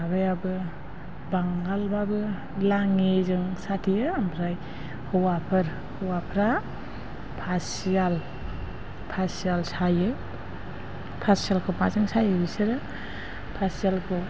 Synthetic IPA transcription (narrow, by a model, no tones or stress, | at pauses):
abɯjabɯ | baŋɡalbabɯ | laŋezɯŋsatʰijɯampʰɾaj | hʰɯwapʰɯɾ | hɯwapʰɾa | pʰas | ial | pʰasialsajɯ | pʰasialkʰɯwmazɯŋsajɯbisɯɾɯ | pʰasialkʰɯ